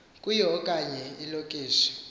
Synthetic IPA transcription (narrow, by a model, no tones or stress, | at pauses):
kʼujɛɔkʼaɲɛilokʼiːʃɔ̥